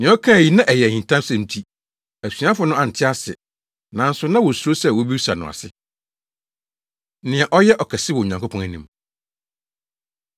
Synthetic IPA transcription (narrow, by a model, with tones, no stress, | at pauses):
nɪ̃˨˦ɔ˦kʰã˦˨ji˨nã˦ʔɛ˨jɛ˨æ˨hĩ˨n˨tʰã˦msɛ̃˨m̩˦tʰi˦ | æ˨sɥa˦fʊ˨˦nʊ̃˦a˨n̩˨tʰɪ˦a˦sɪ̰˨ | nã˨˦n̩˦sʊ˦nã˦wɔ˨su˨ɾo˦sɛ˦˨wɔ˦bi˦sa˨nʊ̰̃˨a̰˨sɪ˦ | nɪ̃˨ɛ˨ʔɔ˦jɛ˦ʔɔ˨kʰɛ˨sɪ˦wɔ˨ɲã˨ŋkʰo˦pʰɔ̃˦næ˨nĩ˨m